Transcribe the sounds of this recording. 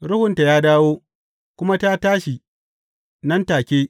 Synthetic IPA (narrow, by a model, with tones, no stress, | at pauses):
ɾʊ˦hʊ˨nta˨jaː˦daː˦woː˦ | kʷʊ˦ma˦ta˦taː˦ʃi˨ | nɐ˦ntaː˨kʲeː˦